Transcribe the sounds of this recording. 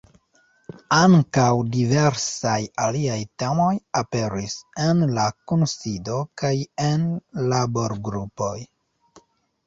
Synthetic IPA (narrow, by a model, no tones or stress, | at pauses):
aŋkawdive̞ɾsajaliajte̞mo̞jape̞ɾise̞nlakunsido̞kajenlaboɾɡɾupo̞j